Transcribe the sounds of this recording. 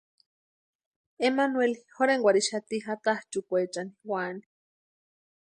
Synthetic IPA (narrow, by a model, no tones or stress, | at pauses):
emanwelihoɾeŋɡʷaɾiʃat̪ihat̪aht͡ʃukʷet͡ʃaniwani